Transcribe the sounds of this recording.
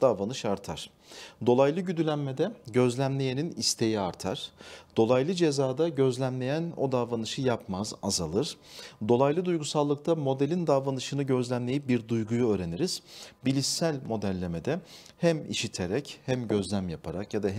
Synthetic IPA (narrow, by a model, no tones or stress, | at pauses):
d̪̥avanɯʃaɾt̪ʰaɾ̥ | d̪o̞lˠajlˠɯɟyd̪ylʲænmed̪ɛɟø̞zlʲæmlʲejeninist̪ʰe̞jiaɾt̪ʰaɾ̥d̪̥o̞lˠajlˠɯd͡ʒe̞zaːd̪aɟø̞zlʲæmlʲe̞jæno̞̰d̪avanɯʃɯjapmazazalˠɯɾ̥d̪o̞lˠajlˠɯd̪ujɡusalˠːɯk̚t̪ʰamo̞d̪elʲind̪avanɯʃɯnɯɟøzlʲæmlʲejip̚biɾd̪ujɡujuøːɾe̞niɾiz̥bilʲissælʲmo̞d̪ælʲːeme̞d̪ɛ | hæmḭʃit̪ʰeɾɛchæmɟø̞zlʲæmjapʰaɾakjad̪aɦ